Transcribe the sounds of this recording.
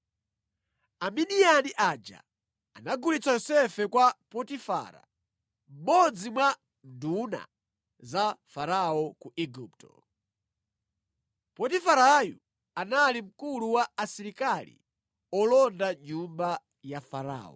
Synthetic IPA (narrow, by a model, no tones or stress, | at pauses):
aminianiʔad͡ʒa̰ː | naɡulit͡sajɔsɛfɛkwapɔtifa̰ɾa̰ | m̩ɓɔd͡zimwa | nduna̰ | zafaɾaɔkuʔiɡuptɔ̰ | pɔtifaɾaju | analim̩kuluwaːsiɾikalḭ | ɔlɔndaɲumba | jafaɾa̰ːɔ̰